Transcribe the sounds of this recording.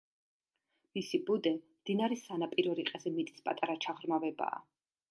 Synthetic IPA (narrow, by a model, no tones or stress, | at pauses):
misibud̪ɛmd̪̥inaɾisanapʼiɾɔɾiqʼɛzɛmit̪ʼi̥spʼa̰t̪ʼaɾat͡ʃʰaʁɾmavɛba̰ː